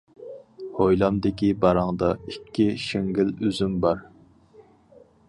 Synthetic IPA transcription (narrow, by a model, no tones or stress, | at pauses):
hojlˠɑmd̪ɪkʲibɑɾɑŋd̪ɑikʲʰːiʃɪŋɡʲɪlyzymbɑɾ